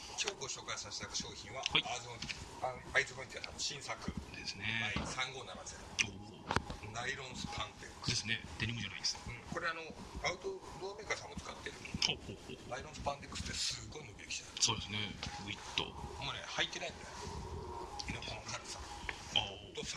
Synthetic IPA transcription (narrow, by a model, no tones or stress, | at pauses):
kʲo̞ːɡoɕo̞ːkaisaɕi̥t̪akɕoːçĩβahaazõa | ait͡sɨbait̪iasã̰ɕĩɰ̃sakɯd̪e̞sɨneaisãŋɡo̞ːnːaɾmat͡ɕid̪eo | naiɾõ̞ɰ̃sɨ̥pʰãnt̪ed̪esɨned̪̥eɲʲimoʑanaid̪esɨ̥ɯ̟̃ɴko̞ɾeano̞ | aɯ̟t̪o | d̪oːmeːkasãmːot͡sɨ̥kat̪ːe̞ɾɯ̟hohoːhoːhnaiɾõ̞sɨ̥pãnt̪ekːɯ̥sɨ̥t̪ːesɨɡo̞inoɡʲiekʲi̥ɕi̥t̪asoːd̪esɨneɡɯit̪ːo̰monḛhait̪ːe̞naĩnd̪ee | inokookat̪e̥sã̰ | t̪os